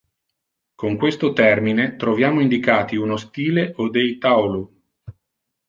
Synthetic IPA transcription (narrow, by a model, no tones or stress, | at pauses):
koŋkwest̪ot̪ɛrminet̪ɾovjaːmoind̪ikaːt̪iunost̪iːleʔod̪ejt̪awlu